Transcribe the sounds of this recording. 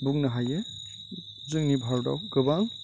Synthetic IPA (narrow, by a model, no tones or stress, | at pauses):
buknaɦaje | zɯŋnibʱaɹda̰wɡɯbaŋ